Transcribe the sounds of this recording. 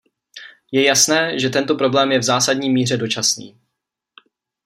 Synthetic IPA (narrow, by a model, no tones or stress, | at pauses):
jɛjasnɛːʒɛt̪ɛnt̪o̞pɾo̞blɛːmjɛvzaːsadɲiːmiːr̝ɛdo̞t͡ʃasnḭː